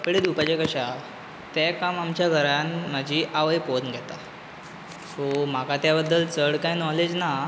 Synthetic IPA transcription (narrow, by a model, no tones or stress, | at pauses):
əpɽed̪upat͡ɕekəɕa | t̪akamamt͡ɕjaɡʱəɾanmad͡ʑʱiːʔaʋəjponɡʱɛt̪a | som̤akat̪jabəd̪ːəlt͡səɽkajnɔled͡ʑna